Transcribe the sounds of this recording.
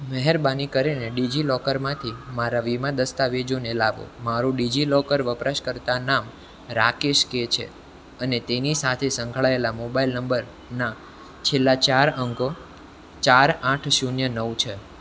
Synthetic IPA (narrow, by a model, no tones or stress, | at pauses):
mɛɦɛɾbanikəɾeneɖid͡ʒilɔkəɾmãt̪ʰimaɾaʋimãd̪əst̪aʋed͡ʒonelaʋo̰maɾũɖid͡ʒilɔkəɾʋəpɾaʃkəɾt̪anam | ɾakeʃket͡ʃʰḛ | ənet̪enisat̪ʰesəŋɡʱɭaelamobailnəmbəɾ | na | t͡ʃʰelːat͡ʃaɾəŋko | t͡ʃaɾãʈʰʃunjənəwt͡ʃʰe